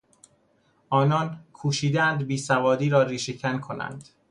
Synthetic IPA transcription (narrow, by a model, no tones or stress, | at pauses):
ʔɒːnɒːnkʰuːʃiːd̪eænd̪biːsævɒːd̪iːɾɒːɾiːʃecʰænkʰonæ̰nd̪̥